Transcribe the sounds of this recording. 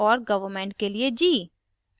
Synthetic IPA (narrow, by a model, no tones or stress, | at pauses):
ɔːɾɡɐʋəɾmẽːɳʈ̚kelied͡ʒiː